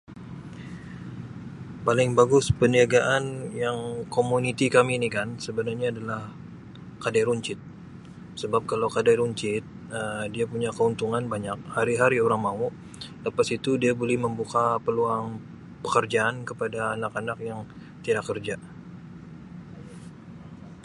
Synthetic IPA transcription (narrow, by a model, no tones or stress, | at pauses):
palɪŋbaɡʊspəniaɡaʔanjaŋkomunit̪ikaminikansəbənarɲaːdalah | kadajɾuɲt͡ʃɪt̪̚ | səbap̚kalawkadajɾuɲt͡ʃɪt̪̚ | ədiapuɲakəunt̪uŋanbaɲak̚haɾiɦaɾioɾaŋmau | ləpasit̪udiabolɛhməmbukapəluaŋ | pə̥kərd͡ʒaːnkəpadaːnakanak̚jaŋ | t̪idakːərd͡ʒa